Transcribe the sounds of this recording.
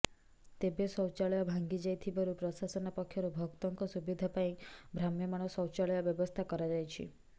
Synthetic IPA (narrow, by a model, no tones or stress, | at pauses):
t̪ebesɔwt͡ʃaɭɔjɔbʱaŋɡid͡ʒajt̪ʰibaɾupɾɔsasɔnapɔkʰjɔɾubʱɔkt̪ɔŋkɔsubid̪ʱapaĩbʱɾamjɔmaɽ̃ɔsɔwt͡ʃaɭɔjɔbjɔbɔst̪ʰakɔɾad͡ʒajt͡ʃʰḭ